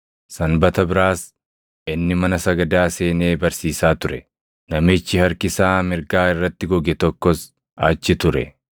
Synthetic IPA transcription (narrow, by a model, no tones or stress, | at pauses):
sɐnbɐt̪ɐbɪɾaːs | ɪnːɪmɐnɐsɐɡɐd̪aːse̞ːneːbɐɾsiːsaːt̪ʊɾɛ | nɐmɪt͡ʃːɪhɐɾkɪsaːmɪɾɡaːɪrːɐt̪ːɪɡɔɡɛt̪ɔkːɔs | aːt͡ʃːɪt̪ʊɾɛ